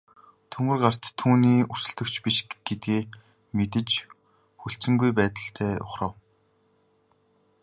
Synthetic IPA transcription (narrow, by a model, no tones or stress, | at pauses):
t̪ʰɵŋɡɘ̆rɢar̥t̪ʰːuːniːusɵ̆ɮt̪ɵ̆kt͡ɕʰpiʃɡ̥et̪̚ɡeː | met̪̬ɘ̆t͡ɕ | xuɬt͡sɘ̆ŋɡujpæːt̪ə̆ɬt̪ʰæːʊ̰χrə̆w